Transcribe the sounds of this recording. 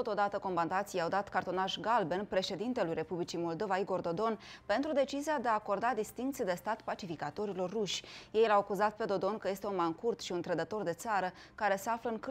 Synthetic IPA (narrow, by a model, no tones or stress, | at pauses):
t̪ot̪o̞d̪at̪əko̞mband̪at̪sijawd̪at̪kart̪o̞naʃɡalbe̞npɾe̞ʃe̞d̪int̪elujɾe̞publit͡ʃimo̞ld̪o̞vaiɡo̞rd̪o̞d̪o̞npe̞nt̪ɾud̪e̞t͡ʃiziad̪e̞aːko̞rd̪ad̪ist̪iŋkt̪sijd̪e̞st̪at̪pat͡ʃifikat̪o̞ɾilo̞rːuʃʲje̞jlawakuzat̪̚pe̞d̪o̞d̪o̞nkəje̞st̪eunmaŋkurt̪ʃiunt̪ɾəd̪ət̪o̞rd̪e̞t̪saɾə | kaɾe̞seafləɨŋk